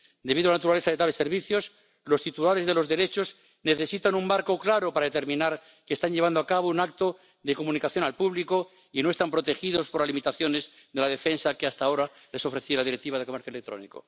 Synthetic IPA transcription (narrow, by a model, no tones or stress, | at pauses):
d̪eβiðoalanat̪uɾale̞θaðet̪aβe̞se̞ɾβiθjo̞s | lo̞st̪it̪ulaɾe̞zðe̞lo̞zðe̞ɾe̞t͡ʃo̞z | neθe̞sit̪anumbaɾkoklaɾo̞paɾaðet̪e̞ɾmĩnaɾ | kest̪aɲʎeβ̞and̪oakaβounakt̪o̞ | ðe̞ko̞mũnikaθjo̞nalpuβliko̞ | ino̞est̪ampɾo̞t̪e̞xiðo̞spoɾlalimit̪aθjo̞ne̞z | ðe̞laðe̞fe̞nsakeast̪ao̞ɾa | le̞so̞fɾeθielaðiɾek̚t̪iβaðeko̞meθjoelekt̪ɾo̞̰nḭko̞̰